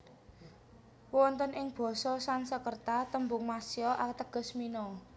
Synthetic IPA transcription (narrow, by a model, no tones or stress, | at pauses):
wɔnt̪ənɪŋb̥ɔ̤sɔsansəkərt̪at̪əmbʊŋmasiɔʔat̪əɡ̥ɔ̤sminɔ